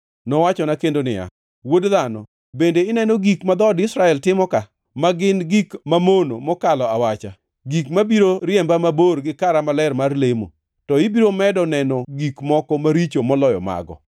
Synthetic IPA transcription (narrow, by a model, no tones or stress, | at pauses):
nɔwat͡ʃɔnakendonɪ̰ja̰ | wodðanɔ̰ | bendeɪnɛnɔɡikmad̪ɔdɪsɾaɛltɪmɔka | maɡɪnɡikmamonomɔkalɔawat͡ʃa | ɡikmabiɾoɾjɛmbamaborɡɪkaɾamalɛrmarlemo̰ | tɔɪbiɾomɛdɔnɛnɔɡikmɔkɔmaɾit͡ʃomɔlɔjɔ̰ma̰ɡɔ̰